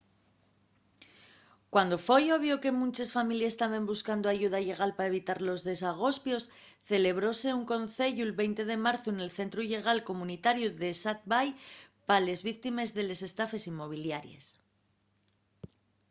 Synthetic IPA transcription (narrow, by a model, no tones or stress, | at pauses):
kwand̪o̞fo̞jo̞βjo̞ke̞mũnt͡ʃesfamiljest̪aβe̞mbuskand̪o̞aʝuð̞aʎe̞ɣ̞alpaae̞β̞it̪aɾlo̞zðe̞s̬aɣ̞o̞spjo̞s | θe̞le̞β̞ɾo̞se̞uŋko̞nθe̞ʎuelβe̞jnt̪e̞ð̞e̞maɾθoene̞lθe̞nt̪ɾuiʎe̞ɣ̞alko̞mũnit̪aɾjuðe̞sat̪̚bajpale̞zβikt̪ime̞zðe̞le̞se̞st̪afe̞simːo̞β̞iljaɾje̞̰s